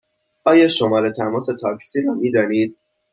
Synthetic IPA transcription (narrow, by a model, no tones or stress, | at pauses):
ʔɒːjɒːʃomɒːɾet̪ʰæmɒːse̞t̪ʰɒːksiːɾɒːmiːd̪ɒːniːd̪̥̚